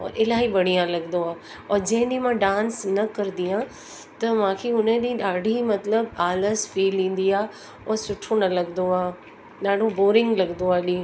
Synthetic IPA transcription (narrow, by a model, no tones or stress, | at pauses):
ɔ̰ːɾʔɪlaːɦiɓɐɽ̤ijãlɐɡnd̪oaː | ɔːɾd͡ʑɐ̃ɦɪ̃nɗĩmãɖãːnsnɐkɐɾd̪iã | t̪ɐmãːkʰeʊnəɗĩːɗaːɽ̤ʱimɐt̪ləbaːləzfiːlĩːn̆d̪iaː | ɔːɾsʊʈʰonɐlɐɡnd̪oaː | ɗaːɽ̤oboːɾɪ̃ŋɡlɐɡnd̪oaːɗĩː